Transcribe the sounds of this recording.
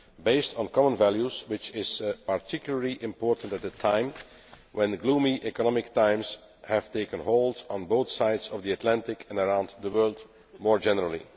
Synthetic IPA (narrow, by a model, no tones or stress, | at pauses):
beɪstn̩kɑmə̃nvælˠjuzwɪt͡ʃɪz̥paɹtʰɪkjʊl̩ˠəɹliʔɪ̃mpɔːɹtə̃n̩tæt̚dətʰãɪ̃m | wɛ̃nɡluːmiʔɛkɔnɔmɪk̚tãɪ̃ms | hæv̥teɪkə̃nɦoʊlˠd̃n̩boʊθsaɪdzɔvdiɨtʰlæ̃ntɪkʰɛ̃nəɹãʊ̃ndðəwɜ˞lˠd | mɔːɹd͡ʒɛnəɹəlˠḭ